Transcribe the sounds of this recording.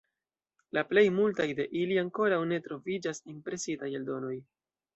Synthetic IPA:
laple̞jmultajde̞ʔiliaŋko̞ɾawne̞tɾo̞vid͡ʒasimpɾe̞sidajeldo̞no̞j

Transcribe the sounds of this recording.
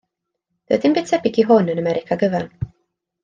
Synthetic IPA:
d̥ə̰dɪnmbɪ̥tʰɛbɪɡiɦʊnənəmɛɾʔɪkʰaɡəvɛrn

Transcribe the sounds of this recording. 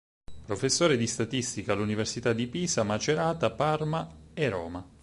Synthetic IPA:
pɾofesːoːɾed̪ist̪at̪ist̪ikalːuniversit̪ad̪ipiːsamat͡ʃeɾaːt̪aparmaeɾɔ̰ːma

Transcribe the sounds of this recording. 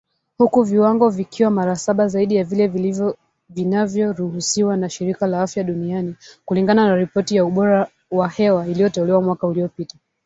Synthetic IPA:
hukuviwaŋɡɔvikiwamaɾasaɓazaiɗijavilɛv | vinavjɔɾuhusiwanaʃiɾikalaafjaɗunianikuliŋɡananaɾipɔtijauɓɔɾa | wahɛwailijɔtɛulɛwamwakauliɔpita

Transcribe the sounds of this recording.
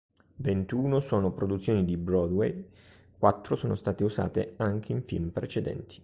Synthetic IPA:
vent̪uːnosoːnopɾod̪ut̪sːjoːnid̪ibɾɔd̪wej | kwat̪ːɾosoːnost̪aːt̪euza̰ːt̪eaŋk̟ʰeiɱfḭlmpɾet͡ʃed̪ɛ̰nt̪i̥

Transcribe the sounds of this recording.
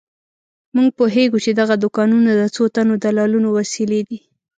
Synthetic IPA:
muŋɡ̚poɦeɡut͡ʃed̪aɣad̪ʊkɑnunad̪ət͡sot̪anod̪alɑlunowasiled̪i

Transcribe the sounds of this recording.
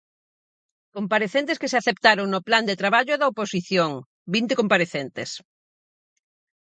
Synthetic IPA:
kompaɾeθent̪eskeseaθep̚t̪aɾoŋnopland̪et̪ɾaβaʎoðɐoposiθjoŋ | bint̪ekompaɾeθent̪es

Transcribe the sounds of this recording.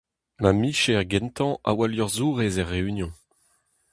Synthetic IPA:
mamiʃeʁɡɛ̃nt̪ɑ̃ʔa̰waljɔʁzuːʁezɛʁːeynjɔ̃

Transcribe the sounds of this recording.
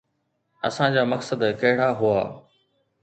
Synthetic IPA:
ɐ̰sãːd͡ʑaːmɐksəd̪kɐɦɪɽaːɦʊa̰ː

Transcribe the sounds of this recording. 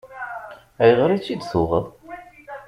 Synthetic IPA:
æjəʁɾit͡sːid̪θʊʁəðˤ

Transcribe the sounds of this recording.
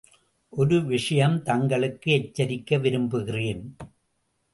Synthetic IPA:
ʔɔɾɯʋɪʂɐjɐmt̪ɐŋɡɐɭɯkːɯɛt͡ʃːɐɾɪkːɐʋɪɾɯmbɯɣɪreːn

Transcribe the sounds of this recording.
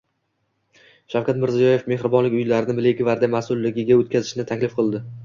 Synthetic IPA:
ʃawkʲat̪mɪɾzijɒje̞fme̞hɾɪbɒnlɪkʲʊjlaɾɪnɪbɪlɪɡʲɪvaɾd̪amasʊlːɪɡʲɪɡʲaot̪̚kʲazɪʃnɪt̪ʰakʲlɪfqʰɨlˠd̪ɪ

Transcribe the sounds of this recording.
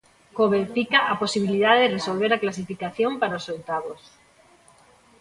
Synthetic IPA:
koβeɾfikaʔaposiβ̞ilið̞aðeresolβ̞eɾaklasifikaθjompaɾaosowt̪aβos

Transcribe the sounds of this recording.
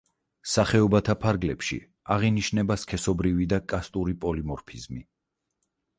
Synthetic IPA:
saχɛɔbat̪ʰapʰaɾɡlɛpʃḭ | aʁiniʃnɛbaskʰɛsɔbɾivid̪akʼast̪ʼuɾipʼɔlimɔɾpʰizmi

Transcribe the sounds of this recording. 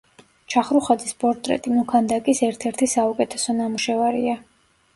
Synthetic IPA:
t͡ʃʰaχɾuχad̪zispʼɔɾt̪ʼɾɛ̰t̪ʼimnukʰand̪akʼisɛɾt̪ʰɛɾt̪ʰisaukʼɛt̪ʰɛsɔnamuʃɛvaɾia

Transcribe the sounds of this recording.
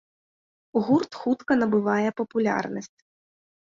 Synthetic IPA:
ɣurt̪xut̪kɐnɐbɨvajɛpɐpulʲa̰rnɐsʲt͡sʲ

